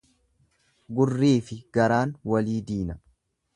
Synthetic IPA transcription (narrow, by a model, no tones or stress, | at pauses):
ɡʊrːiːfɪɡ̥ɐɾaːnwɐliːd̪iːnɐ